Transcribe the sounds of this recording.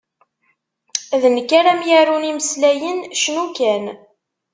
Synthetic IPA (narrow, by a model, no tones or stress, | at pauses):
ðnəkːaɾæmjaɾuniməslæjənʃnukæn